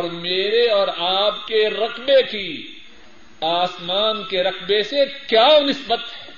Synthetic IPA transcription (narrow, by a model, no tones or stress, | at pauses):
ɔɾmeːɾeɔːɾaːpkeɾɐqbeki | aːsmaːnkeɾɐqbesekjaːonɪsbət̪ɦɛː